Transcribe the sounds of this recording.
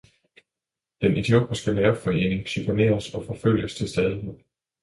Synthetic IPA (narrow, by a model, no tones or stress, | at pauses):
d̥enʔe̝d̥io̝̰ːb̥ɐsɡ̥ælæːɐ̥fɒ̽e̝̰ːne̝ŋɕypʰo̝ne̝̰ːɐsɒ̽fɒ̽føl̰jəst͡sʰe̝lsd̥ɛːð̞ˠi